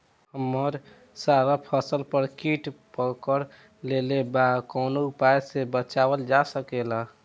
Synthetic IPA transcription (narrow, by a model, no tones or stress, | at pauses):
həmːəɾ | saɾapʰəsəlpəɾkiʈpəkəɾ | lelebakonoupajsebət͡ʃabəld͡ʒasəkela